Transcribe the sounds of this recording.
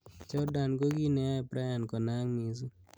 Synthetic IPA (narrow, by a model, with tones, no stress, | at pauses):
t͡ʃɔ˦da˨nɡo˦ɡi˦nɛ˨˦˨pɾa˦ja˨nkɔ˨na˦ŋmi˨su˦